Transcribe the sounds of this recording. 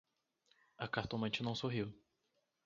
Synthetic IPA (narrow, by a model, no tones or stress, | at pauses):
ɐkaɾt̪õmɐ̃t͡ʃɪnɐ̃w̃soɦiw